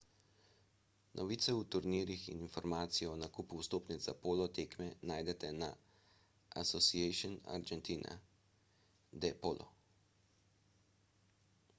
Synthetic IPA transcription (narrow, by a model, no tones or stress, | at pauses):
nʔɔʋiːt̪sɛut̪uɾniːɾixḭninfɔɾmaːt̪sijɔnakuːpuwst̪oːpnid̪zapoːlɔt̪eːkmɛnaːjd̪ɛt̪ɛna | a̰sɔsiɛʃɔna̰ɾd͡ʒɛnt̪iːna̰ | d̪ɛpoːlʔɔ̰